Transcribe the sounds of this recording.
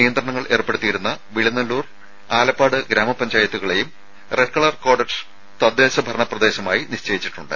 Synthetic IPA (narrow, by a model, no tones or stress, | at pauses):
nijɐnd̪rɐɳɐŋːɐɭʔe̞ːrpːe̞ɽut̪ːijiɾunːɐʋiɭinːɐlːuːr | aːlɐpːaːɽɨɡɾaːmɐpːɐɲd͡ʑaːjɐt̪ːuɣɐɭe̞jum | reʈkɐɭɐrko̞ːɽɐʈs | t̪ɐd̪ːeːɕɐbʱɐɾɐɳɐprɐd̪e̞ːɕɐmaːjiniɕt͡ɕeːjit͡ɕːiʈːuɳɖɨ̰